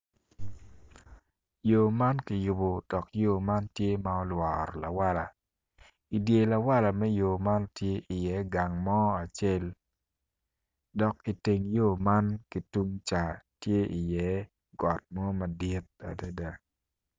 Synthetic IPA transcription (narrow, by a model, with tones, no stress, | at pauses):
jo˨ma˦nki˨jʊ˨bo˨d̥ɔ˨kjo˦˨ma˦ntje˦ma˦ɔ˦lwɔː˨ɾla˨wa˦la˨ | i˨dje˨la˨wa˦la˨mɛ˦jo˨ma˦ntje˦ʔi˨jɛ˨˦ɡa˨ŋmɔ˦a˨t͡ʃe˦l | dɔ˨kːi˨te˨ŋjo˦ma˦nki˨tu˦ŋt͡ʃa˨tje˦ʔi˨jɛ˨˦ | ɡɔ˨t̚mɔ˦ma˨di˦t̚a̰˨da˦da˨